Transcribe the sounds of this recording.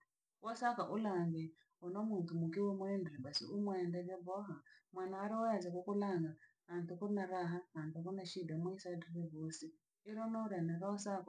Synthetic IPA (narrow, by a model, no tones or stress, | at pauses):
wɔsakaʔulaŋɡɛ | ɔnɔmuntumukiwɛmuɛndɛɾɛbasḭumwɛndɛɾɛbɔɦamwanaaɾiwazakukulaŋɡa | antukɔnaɾaɦahantukɔnaʃidamaisadɛɾɛβosiː | ɾɔnɔɾanaɾɔsaka